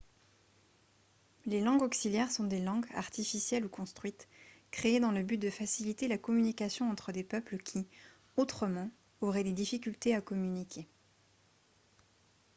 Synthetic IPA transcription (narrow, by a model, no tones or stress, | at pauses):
lelɑ̃ɡɔksiljɛʁsɔ̃d̪elɑ̃ɡa̰ʁt̪ifisjɛlukɔ̃st̪χɥit̪kχeːd̪ɑ̃ləbyt̪̚d̪əfasilit̪elakɔmynikasjɔ̃ɑ̃t̪χəd̪epœpləkʲʰi | ot̪χəmɑ̃ | oʁɛd̪ed̪ifikʲylt̪eakɔmynikʲʰe